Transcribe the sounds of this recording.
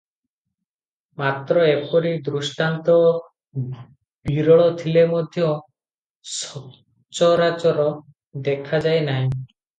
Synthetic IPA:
mat̪ɾɔepɔɾid̪ɾusʈant̪ɔ | b̥iɾɔɭɔt̪ʰilemɔd̪ʱjɔ | sɔ | t͡ʃɔɾat͡ʃɔɾɔ | d̪ekʰad͡ʒajnaɦĩ

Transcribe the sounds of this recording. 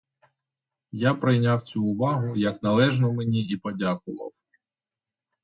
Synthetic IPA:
japɾɪjnʲawt͡sʲuːʋɑɦʊjɐknɐlˠɛʒnɔmenʲiipɔdʲakʊʋɐ̰w

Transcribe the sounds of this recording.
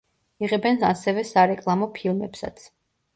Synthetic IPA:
iʁɛbɛna̰sɛvɛsaɾɛkʼlˠamɔpʰilˠmɛpsa̰t̪sʰ

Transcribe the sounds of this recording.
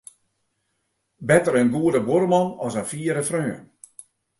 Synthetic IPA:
bɛtəɾənɡuədəboɾəmɔnɔsənfiːəɾəfrøːən

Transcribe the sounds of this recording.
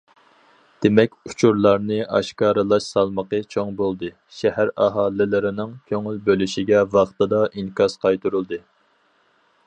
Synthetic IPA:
d̪̥emɛkʲu̥t͡ʃʰuɾlˠɑɾnɨʔɑ̰ʃkɑːɾɨlˠɑʃsɑlˠməqət͡ʃʰoŋbolˠd̪ɨ | ʃɛhæɾɑɦɑːlˠːɪlɪɾɪnɪŋkʲʰøŋylbølyʃiɡʲɛvɑχt̪ɨd̪ɑʔinkʰɑsqʰɑjt̪ʰuɾulˠd̪ɨ

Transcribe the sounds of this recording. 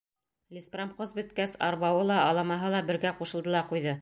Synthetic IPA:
lʲispramχozbɵ̆t̪̚kæsɑɾβɑwɤlˠɑɑlˠɑmɑɦɤlˠɑbɘ̆ɾɡæquʃɤ̆lˠd̪ɤ̆lˠɑqujðɤ

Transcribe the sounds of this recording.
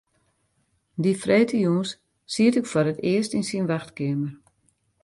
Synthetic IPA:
difreːtʰəjuːns | siətɪkfoɾətɪəstinsinʋaxtkɪəmər

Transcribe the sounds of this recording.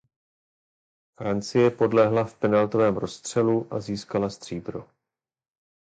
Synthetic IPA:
fɾant͡sɪjɛpo̞dlɛɦlafpɛnalt̪o̞vɛːmɾo̞st̪r̝̥ɛluʔa̰ziːskalast̪r̝̥iːbɾo̰

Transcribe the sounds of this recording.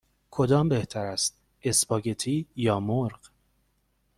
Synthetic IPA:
kʰo̞d̪ɒːmbeht̪ʰæɾæst̪̚ | e̞sbɒːɟet̪ʰiːjɒːmoɾɢ

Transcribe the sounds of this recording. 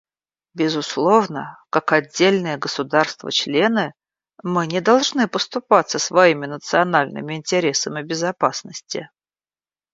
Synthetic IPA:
bʲɪzʊslˠo̞vnəkakɐdʲːelʲnɨjəɡəsʊd̪arst̪və̰t͡ɕlʲe̞nɨ | mɨnʲɪd̪ɐlˠʐnɨpəst̪ʊpat̪səsvɐimʲɪnət̪sɨɐnalʲnɨ̰mʲɪɪnʲtʲɪɾʲe̞səmʲɪbʲɪzɐpasnəsʲtʲɪ̰

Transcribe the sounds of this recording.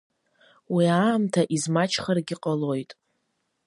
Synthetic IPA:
wiaːmtʰaʔizmat͡ʃʰχarɡʲɪqʼalo̞jtʼ

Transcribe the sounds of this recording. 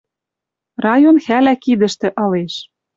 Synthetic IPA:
rɑjonxælækid̪ɘ̆ʃt̪ɘ̆ʔɤ̆leʃ

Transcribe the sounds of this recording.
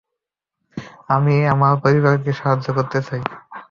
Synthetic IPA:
amieamaɾpoɾibaɾkeʃaɦad͡ʑːokoɾt̪et̪ʰaj

